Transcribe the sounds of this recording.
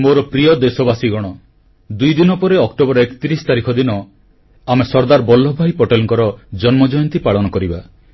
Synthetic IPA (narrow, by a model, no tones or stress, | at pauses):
moɾɔpɾiɔd̪esɔbasiɡɔɽ̃ɔ | d̪ujd̪inɔpɔɾeɔkʈobɔɾɔekt̪iɾisɔ̥t̪aɾikʰɔd̪inɔ | amesɔɾd̪aɾbɔlːɔbʱajpɔʈelɔŋkɔɾɔd͡ʒɔnmɔd͡ʒɔjɔnt̪ipaɭɔnɔkɔɾiba